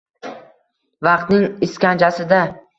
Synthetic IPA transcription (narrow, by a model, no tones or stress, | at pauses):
vɑqt̪nɪŋɪskʲant͡ʃasɪd̪a